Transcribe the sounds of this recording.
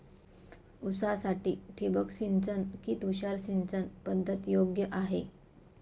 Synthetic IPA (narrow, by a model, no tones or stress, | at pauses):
usasaʈiːʈʰibəkɕint͡sənkiːt̪uɕaɾɕint͡sənpəd̪ʱːət̪joɡjəʔaɦe